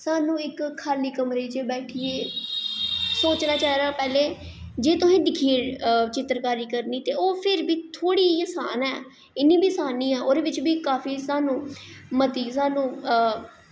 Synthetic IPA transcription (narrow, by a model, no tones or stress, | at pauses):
saːnũːɪkʰːaːliːkəmɾeːd͡ʒeːbɛːʈʰiːeː | soːt͡ʃnaːt͡ʃaːɾaːpɛːleːd͡ʒeːt̪ʊsẽːd̪ɪkʰiːet͡ʃɪt̪ɾkaːɾiːkəɾniːt̪eːoːpʰɪɾbiːt̪ʰoːɽiːəsa̰ːnɛː | ɪnĩːbiːsaːniːɛːoːd̪eːʋɪt͡ʃbiːkaːfiːsaːnũːmət̪iːsaːnũː